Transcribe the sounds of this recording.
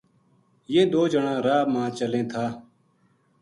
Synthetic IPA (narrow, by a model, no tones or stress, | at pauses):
jẽːd̪oːd͡ʒəɳãːɾaːmãːt͡ʃəlẽːt̪ʰaː